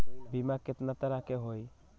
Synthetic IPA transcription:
bimakɪt̪nat̪əɾakeɦoj

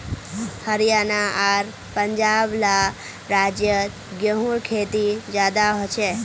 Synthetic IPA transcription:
həɾjanaaɾ | pəɲd͡ʒabla | ɾad͡ʒjə | ɡjəɦuɾkʰet̪id͡ʒad̪aɦɔt͡ʃʰe

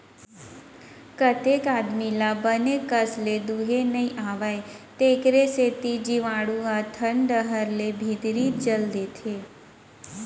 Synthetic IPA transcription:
kət̪ekad̪milabənekəsled̪uɦenəĩʔaʋajt̪ekɾeset̪id͡ʒiʋãɽũat̪ʰəɳɖəɦəɾlebʱid̪ɾid͡ʒəld̪et̪ʰe

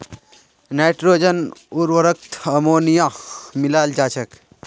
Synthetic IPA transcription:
najʈɾoːd͡ʒənuɾwəɾək̚t̪ʰɐmoːnijamilaːld͡ʒaːt͡ʃʰək

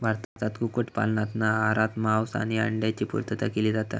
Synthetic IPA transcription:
bʱaɾt̪at̪at̪ɡukoʈpa̰lnat̪naaɾat̪maʋsa̰niə̰ɳɖjat͡ɕiːpṵɾt̪ət̪əkiliːd͡zat̪a̰

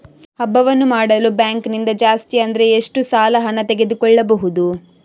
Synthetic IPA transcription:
hɐbːɐʋɐnːumaːɽɐlubjaːŋknind̪ɐd͡ʒaːst̪iɐnd̪ɐɾe̞ːʂʈusaːlɐɦɐnɐt̪eɡe̞d̪ukɔɭːɐbɐɦud̪u

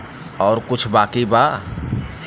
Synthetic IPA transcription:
ɔːɾkut͡ʃʰbakiba

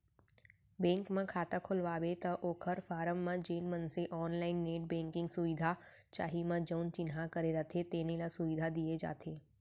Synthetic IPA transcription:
bɛ̃ŋkmãkʰaːt̪akʰolʋaʋet̪əʔoːkʰəɾfaːɾəmːãd͡ʒeːnmənseʔɔːnlainːeʈ̚bɛ̃ŋkɪ̃ŋɡsuʋid̪ʱa | t͡ʃa̰ːɦimãd͡ʒənt͡ʃɪnɦakəɾeɾət̪ʰet̪enelasuʋid̪ʱad̪ied͡ʒa̰ːt̪ʰe

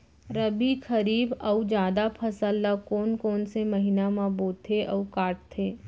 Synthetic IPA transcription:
ɾəbixɐɾiːbɐud͡ʒjaːd̪apʰɐsəlːakoːnkoːnsemɐɦinamãːboːt̪ʰːeʔɐukaːʈ̚t̪ʰːeː

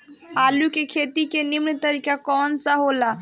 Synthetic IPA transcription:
aːlukekʰeːt̪ikenimɳt̪əɾikakɔːnsaɦola

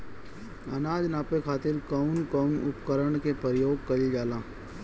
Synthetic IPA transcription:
ɐnaːd͡ʒnaːpekʰaːt̪ɪɾkɐʊnkəʊnʊ̰pkəɾəɳ̃kepəɾɪjoːɡ̚kɐlid͡ʒaːlãː

